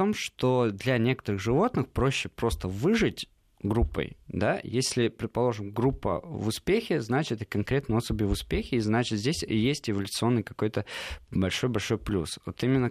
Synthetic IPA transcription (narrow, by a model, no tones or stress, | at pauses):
t̪o̞mʂt̪o̞d̪lʲɐnʲe̞kə̥t̪əɾɨɣʐɨvo̞t̪nɨxpɾo̞ɕːɪpɾo̞st̪əvɨʐɨtʲ | ɡɾupːə̰jd̪ajesʲlʲɪpɾʲɪt̪̚pɐlˠo̞ʐɨmɡɾupːə̰vʊspʲexʲɪznat͡ɕɪt̪əkɐnkɾʲet̪nəosəbʲɪjvʊspʲexʲɪiznat͡ɕɪt̪zʲdʲesʲjesʲtʲɪvəlʲʊt̪sɨo̞nːɨjkɐko̞jt̪əbɐlʲʂo̞jbɐlʲʂo̞jplʲṵsvo̰t̪imʲɪnːə